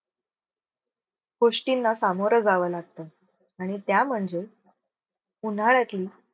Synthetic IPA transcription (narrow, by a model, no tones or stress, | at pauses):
ɡoʂʈinːasamoɾəd͡zaʋəlaɡ̚t̪əː | aɽ̃it̪jam̤əɳd͡ze | unaɭjat̪liː